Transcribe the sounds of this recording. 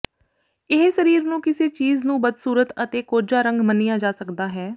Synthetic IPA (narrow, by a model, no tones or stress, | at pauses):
ɪɦsəɾiːɾnũːkɪseːt͡ʃiːznũːbəd̪suːɾət̪ət̪eːkoːɾd͡ʒaːɾə̃ŋɡmənijaːd͡ʒaːsəkd̪aːɦɛː